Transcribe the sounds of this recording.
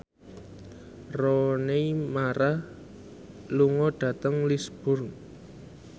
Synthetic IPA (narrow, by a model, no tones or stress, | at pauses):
rɔnemaɾah | luŋɔɖ̥ä̤t̪əŋlisb̥ʊr